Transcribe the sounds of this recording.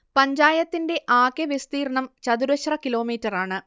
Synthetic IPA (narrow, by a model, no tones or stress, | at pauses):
pɐɲd͡ʑaːjɐt̪ːinde̞ʔaːkːeʋjest̪iːrɐɳɐmt͡ɕɐd̪uɾɐɕrɐkilo̞ːmiːtːɐraːɳɨ